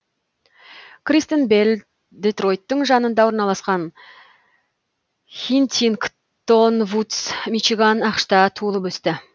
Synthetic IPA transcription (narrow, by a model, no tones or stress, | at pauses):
krist̪enbelʲ | d̪et̪ro̞jt̪ːəɴʒɑnənd̪ɑwo̞ɾnɑlˠɑsqɑn | χʲint̪iŋk | t̪onvut̪smiʃiɡanɑqʃt̪ɑt̪ʰuəlˠəpɵst̪ɪ